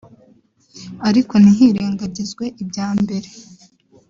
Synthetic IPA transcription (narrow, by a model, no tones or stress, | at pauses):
aɾiko̞niɦiɾeːŋɡaɟizɡwe̞ʔibɟaːmbe̞ɾe̞